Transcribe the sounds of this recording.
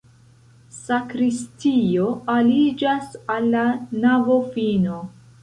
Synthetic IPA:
sakɾistio̞alid͡ʒasalːanavo̞fino̞

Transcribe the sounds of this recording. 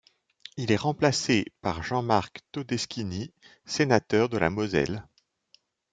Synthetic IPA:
ilɛʁɑ̃plasepaʁʒɑ̃maʁkt̪od̪ɛskʲini | senat̪œʁd̪əla̰mɔzɛ̰l

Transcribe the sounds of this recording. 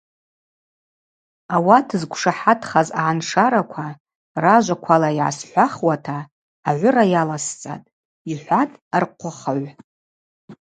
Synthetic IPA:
awatʰɨzɡʷʂaħatʰχazaʕanʂaɾakʷʰa | raʒʷakʷʰalajʕa̰sħʷaχwatʰaː | ʕʷʊɾajalast͡sʼa̰tʼ | iħʷatʼarqʷʰʊχaʕʷ

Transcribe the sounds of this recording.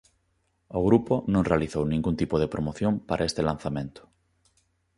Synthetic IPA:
oɣɾuponõŋrealiθownĩŋɡunt̪ipoð̞epɾomoθjõmpaɾʔaest̪elãn̟θamẽnt̪ʊ̥

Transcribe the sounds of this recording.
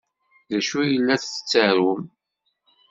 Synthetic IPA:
ðæʃujəlːæθə̥t͡sːəɾʊm

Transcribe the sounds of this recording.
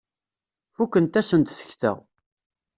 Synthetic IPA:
fukːənt̪æsənt̪θə̥çθə̰ʁ

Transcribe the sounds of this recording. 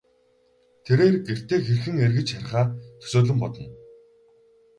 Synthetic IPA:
t̪ʰeɾeːrɡer̥t̪eːxerxɘ̆ŋerɣɘ̆t͡ɕχaɾ̆ʲχaːt̪ʰɵ̥soːɮɵ̆mpɔt̪ɞ̆n

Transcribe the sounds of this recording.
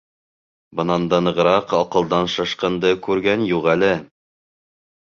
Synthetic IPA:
bɤ̆nɑnd̪ɑnɤ̆ʁɾɑqɑqɤ̆lˠd̪ɑnʃɤ̆ʃqɤ̆nd̪ɤkʉɾɡænjuʁælɘ

